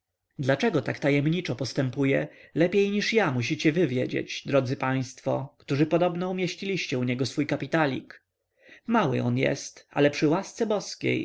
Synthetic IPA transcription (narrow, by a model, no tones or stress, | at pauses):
d̪lat͡ʂɛɡɔt̪akt̪ajɛmɲit͡ʂɔpɔst̪ɛmpujɛlɛpʲjejɲiʂjamuɕ̬it͡ɕɛvɘvʲjɛd͡ʑḛd͡ʑd̪ɾɔd̪zɘpaj̃st̪fɔ̰kt̪uʐɘpɔd̪ɔbnɔumʲjeɕt͡ɕilʲiɕt͡ɕɛuɲɛɡɔsfujkapʲit̪alʲḭk | mawɘ̰ɔnjɛ̰st̪a̰lɛpʂɘwast̪sɛbɔskʲḛj